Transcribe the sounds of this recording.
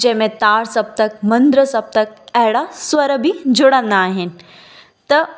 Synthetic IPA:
d͡ʑɐ̃ɦɪ̃mẽt̪aːɽsɐb̚t̪ɐk̚mɐ̃nd̪ɾəsɐb̚t̪ɐk̚ɐɦɪɽaswɐɾbʱid͡ʑʱʊɽə̃nd̪aːɦɪnɪ̆ | t̪ɐ

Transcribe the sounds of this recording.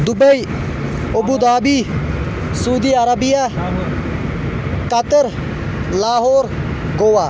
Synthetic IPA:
d̪ubəj | obud̪aːbi | suːd̪iɐɾɐbija | kɐt̪əɾ | laːɦoːɾ | ɡowaː

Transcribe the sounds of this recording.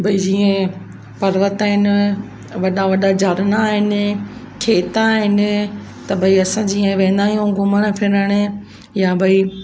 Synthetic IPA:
bʱɐid͡ʑiːə̃ | pɐɾʋət̪aːɦɪnɪ̆ | ʋɐɗaʋɐɗad͡ʑaɾñaːɦɪnɪ̆kʰeːt̪aːɦɪnɪ̆ | t̪ɐbʱɐiɐsãd͡ʑiːə̃ʋẽːnd̪aːijũɡʊməɽ̃pʰɪɾəɽ̃̆ | jabʱɐi

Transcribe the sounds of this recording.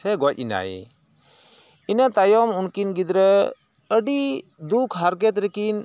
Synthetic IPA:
ɛɡɔc̚ina̰j | inat̪ajɔmunkinɡid̪ɾə | əɖid̪ukʰɦaɾɡɛt̪ɾɛkin

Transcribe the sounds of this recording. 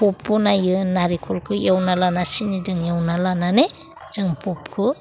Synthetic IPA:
pɔp̚ːɔnajɯnaɾikʰulkʰɯjawnalanasinidɯŋjawnalanane | z̥ɯŋpʰɔp̚kʰɯ

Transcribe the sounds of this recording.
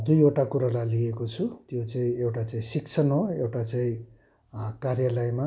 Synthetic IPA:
d̪ujoʈakuɾalajliekot͡sʰut̪jot͡saĩewʈat͡saĩsik̚t͡sʰʌnɦoewʈat͡saĩ | karjalajma

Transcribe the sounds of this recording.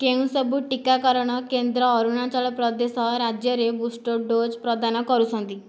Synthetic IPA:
kewsɔbuʈikakɔɾɽ̃ɔkend̪ɾɔːɾuɽ̃at͡ɕɔɭpɾɔd̪esɔɾad͡ʑjəɾebusʈoɖod͡zpɾɔd̪anɔkɔɾusɔ̃nt̪i

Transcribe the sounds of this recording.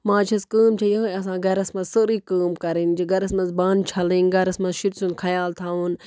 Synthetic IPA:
mãːt͡ʃʰɐskəːmt͡ʃʰɐjãːɐs̬ãːɡɐɾɐsmɐzsəɾiːkəːmkɐɾind͡ʒiɡɐɾɐsmɐnzbãːnt͡ʃʰɐlĩːnɡɐɾɐsmɐʃiɾsũnkʰɐjaːlt̪ʰaːɦuːn

